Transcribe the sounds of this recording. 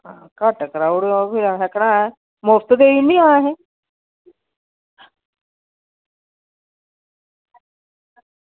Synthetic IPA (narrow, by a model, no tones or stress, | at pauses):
ãːkaʈkɾauɽpʰɪɾãɦɛkɽãːɦɛ | most̪d̪eːiniãːɦɛ̃